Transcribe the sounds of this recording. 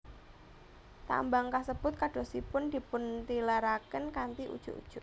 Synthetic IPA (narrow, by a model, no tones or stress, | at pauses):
t̪a̰mbaŋkasəb̥ʊt̪̚kaɖ̥o̤sipʊnd̪̥i̤pʊnt̪ilaɾakənkant̪iʔṵd̥ʒ̥ṵʔṵd̥ʒ̥ʊʔ